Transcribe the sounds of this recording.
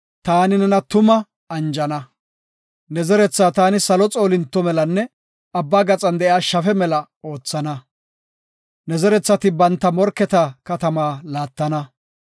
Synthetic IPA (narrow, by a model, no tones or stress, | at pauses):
t̪aːnɪnɛnɐt̪ʊmɐ | ɐnd͡ʒɐnɐ | nɛzɛɾɛt͡sːaːt̪aːnɪsɐlɔt͡sʼo̞ːlɪnt̪ːɔmɛlɐnːɛ | ɐbːaːɡɐt͡sʼɐnd̪ɛʔjaːʃɐfɛmɛlɐ | o̞ːt͡sːɐnɐ | nɛzɛɾɛt͡sːɐt̪ɪbɐnt̪ːɐmɔɾkːɛt̪ɐkɐt̪ɐmaːlaːt̪ːɐnɐ